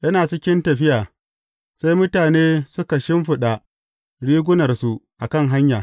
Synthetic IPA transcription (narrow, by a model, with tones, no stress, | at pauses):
jɐ˦naː˨t͡ʃɪ˦kʲɪ˦ntɐ˨ɸɪ˦jaː˨ | sa˦jmʊ˦taː˨neː˦sʊ˦ka˨ʃɪ˦mɸʊ˨ɗa˨ | ɽiː˦ɡʷʊ˦nɐ˨rsu˨ʔa˨kɐ˦˨ŋɦa˦ɲjaː˨